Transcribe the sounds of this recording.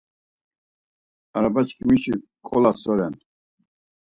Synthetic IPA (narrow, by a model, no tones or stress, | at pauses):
aɾabat͡ʃkʰʼimiʃikʼɔlasɔɾɛn